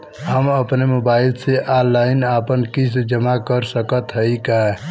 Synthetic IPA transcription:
ɦəməpnemobaːɪlseʔalaɪnaːpənkisd͡ʒəmakəɾsəkət̪ɦəikaɦɛ

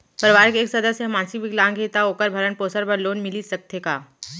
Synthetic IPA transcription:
pɐɾʋaːɾkeeːksɐd̪əsemãːnsibɪɡlãːŋɡet̪aoːkəɾbʱɐɾənpoːsəɾpɐɾloːnmɪlisɐk̚t̪eːkaː

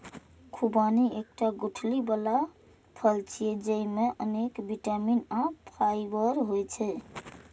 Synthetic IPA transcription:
kʰubaniek̚ʈaɡoʈʰlibala | pʰəlt͡ʃʰied͡ʒəjmeʔənekbiʈaminapʰajbəɾɦojt͡ʃʰɛ

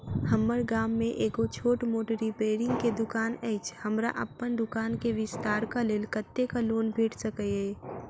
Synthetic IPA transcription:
həmːəɾɡaːmːẽʔeːkot͡ʃʰoːʈmoːʈəɾipeːɾɪ̃ŋɡked̪ʊkaːnɛɪt͡ʃhəmɾa̰ʔəpːənd̪ʊkaːnkeʋɪst̪aːɾkaleːlkət̪ːekaloːnbʱeːʈsəkəeː

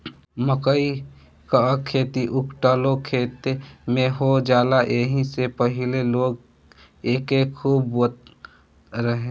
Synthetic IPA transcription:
məkəi | kakʰːeːt̪iʔʊkʈaːlokʰeːt̪emẽɦod͡ʒaːlaʔeːɦisepəɦɪleloːɡ | eːkekʰuːbət̪ | ɾəɦẽ

